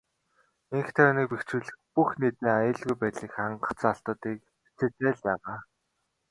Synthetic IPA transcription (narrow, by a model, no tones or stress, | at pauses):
eŋxt̪ʰæʊniːk̚pekt͡ɕuːɮɘ̆xpuxnet̪iːŋajə̆ɮɣujpæːɮiːkχaɴɢə̆t͡sːaɬt̪ə̆ːt̪iːk̚ʰ | t͡sĕːt̪eːɮpæːʁaː